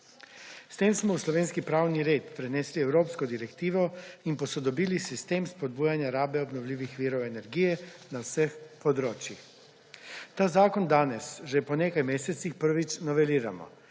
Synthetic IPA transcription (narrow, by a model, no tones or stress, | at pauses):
st̪eːmsmɔwslɔʋeːnskipɾaːwniɾeːt̪pɾɛnɛːsliɛwɾoːpskɔd̪iɾɛkt̪iːʋɔinpɔsɔd̪ɔbiːlisist̪eːmspɔd̪̚buːjanjaɾaːbɛɔbnɔwlʲiːʋixʋiːɾɔwɛnɛɾɡijɛnawsəxpɔd̪ɾoːt͡ʃjix | t̪aːzaːkɔnd̪aːnɛsʒɛpɔneːkajmeːsɛt̪sixpəɾʋit͡ʃnɔʋɛliːɾamɔ̰